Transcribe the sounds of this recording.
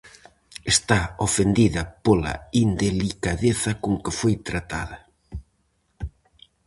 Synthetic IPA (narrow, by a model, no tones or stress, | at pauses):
est̪aofend̪iðɐpola̰ind̪elikaðeθɐkoŋkɪfojt̪ɾat̪a̰ðɐ